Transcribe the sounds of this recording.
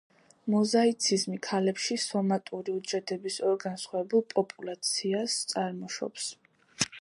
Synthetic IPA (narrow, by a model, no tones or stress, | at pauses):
mɔzait̪sʰizmikʰalɛpʃisɔmat̪ʼuɾiud͡ʒɛd̪ɛbisɔɾɡansχɛbulˠpʼɔpʼulˠat̪sʰiast̪sʼaɾmɔʃɔ̰ps